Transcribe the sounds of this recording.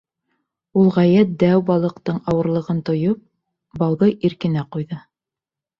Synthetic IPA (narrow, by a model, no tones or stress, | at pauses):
ulˠʁæjæt̪̚d̪æwbɑlˠɤ̆qt̪ɤɴɑwɤ̆ɾlˠɤ̆ʁɤnt̪ŏjɤp̚ | bɑwðɤʔiɾkɘ̆næqujðɤ